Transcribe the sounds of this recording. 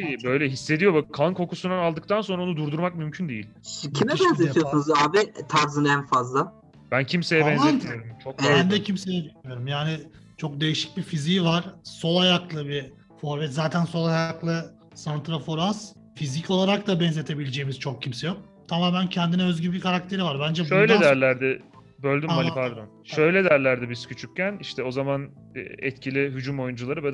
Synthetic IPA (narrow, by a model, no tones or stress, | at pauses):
ibø̞jlʲɛɦisːe̞d̪ijo̞bakʰankʰo̞kusunaalˠd̪ɯk̚t̪ʰanso̞nɾaonud̪uɾd̪uɾmak̚mymcʰynd̪ejḭlʲcʰimɛbɛnet̪ʰijosunuzaːbit̪ʰaɾzɯnɛnfazlˠa | b̥æncʰimsejɛbɛnzeijoɾumt͡ʃʰokbænd̪ɛcʰimsejɛd̪eemijo̞ɾumjaːnɪ | t͡ʃʰo̞k̚d̪e̞jiʃi̥c̚bifiziːvaɾ̥so̞lˠajaklˠɯbi | fo̞ɾvɛt̪zaːt̪ʰænso̞lˠajaklˠɯ | sant̪ɾafoɾas | fizicʰo̞lˠaɾak̚t̪abɛnze̞t̪ʰe̞bilʲed͡ʒeːimiz̥t͡ʃʰo̞k̚cʰimsɛjo̞k̚ | t̪ʰamaːmæncʰɛnd̪inɛø̞zɟybikʰaɾak̚t̪ʰe̞ɾivaɾbænd͡ʒɛʃøjlʲɛd̪æɾlʲæɾd̪ɪ | bølʲd̪ymːalpʰaɾd̪onʃøjlʲɛd̪æɾlʲæɾd̪ɪbiz̥cʰyt͡ʃʰyc̚ʲcːæniʃt̪ʰɛo̞zaman̰ | ɛt̪cʰilʲiɦyd͡ʒumo̞jund͡ʒulˠaɾɯbɛd̪